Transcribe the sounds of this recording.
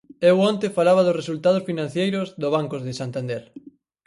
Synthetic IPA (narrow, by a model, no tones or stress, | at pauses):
ewont̪ɪfalaβ̞ɐðʊsresult̪að̞ʊsfinãn̟θjejɾʊzðoβ̞aŋkozðɪsant̪and̪eɾ